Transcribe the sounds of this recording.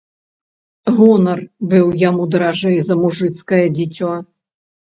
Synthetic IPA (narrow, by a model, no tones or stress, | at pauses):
ɣɔnɐrbɨwjamud̪ɐɾaʐɛjzɐmuʐɨt̪skɐjɐd͡zʲit͡sʲɔ